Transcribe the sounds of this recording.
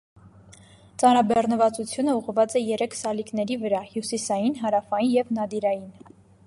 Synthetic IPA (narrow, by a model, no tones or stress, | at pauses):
t͡sɑnɾɑbɛrnəvɑt͡sut͡sʰjunəuʁvɑt͡sɛjɛɾɛkʰsɑliknɛɾivəɾɑhjusisɑjinɦɑɾɑfɑjinjɛvnɑd̪iɾɑjin